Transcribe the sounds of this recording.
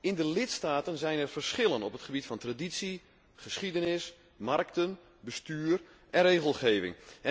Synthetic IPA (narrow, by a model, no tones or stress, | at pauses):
ɪndəlɪtstaːtənzɛjnɛrv̥ərsχɪlənɔpətχəbitfɑntraditsi | χəsχidənɪs | mark̚tən | bəstyːr | ʔɛnreːɣəlˠχeːvɪ̰ŋɛ